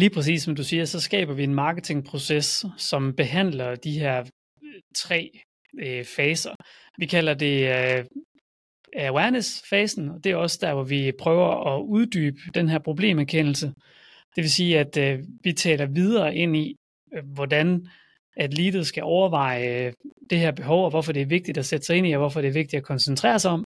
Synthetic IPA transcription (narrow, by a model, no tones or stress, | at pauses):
liːpʰʁɛs̬ḭːsɒ̽md̥usiːɐsɒ̽sɡ̥ɛ̰ːb̥ɐʋie̝nmɑ̈ːɡ̥ət͡sʰe̝ŋpʰʁo̝sessɒ̽mb̥e̝ɦæn̰lɐd̥iɦeɐ̰ | t͡sʰʁɛ̰ː | fɛːsɐ | ʋikʰæl̰ɐd̥e̝ | æwæɐnesfɛːsn̩ɒ̽d̥e̝æɐɒ̽səd̥æɐʋɒʋipʰʁœːʊɐɒ̽uð̞ˠd̥y̰ːb̥əd̥enɦæɐ̰pʰʁo̝ble̝̰ːmæɐkʰen̰l̩sə | d̥e̝ʋe̝siːæd̥ʋit͡sʰɛ̰ːlɐʋið̞ˠɐːʔe̝n̰i | ʋɒdæn | æd̥liːd̥ð̩ˠsɡ̥æʔɒʊɐʋɑ̈ɪ̰d̥ehæɐb̥e̝ɦɒʊɒ̽ʋɒfɒd̥e̝æɐʋe̝ɡ̥̚d̥id̥æsed̥ə̥sɑ̈ɪe̝niɒʋɒfɒɾeæɐʋe̝ɡ̥̚d̥id̥ækʰɒ̽nsənt͡sʰʁɛ̰ːɐsɑɪɒ̽m̰